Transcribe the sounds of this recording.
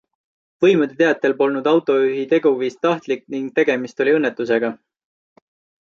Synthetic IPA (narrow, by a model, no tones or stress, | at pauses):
vɤjmud̪et̪e̞ɑt̪ːˑe̞lpo̞lnud̪ɑwt̪ˑo̞yɦit̪e̞ɡuviːst̪ɑht̪likniŋɡ̥̚t̪e̞ɡ̥e̞mist̪o̞liɤnːet̪ːˑus̬e̞ɡ̥ɑ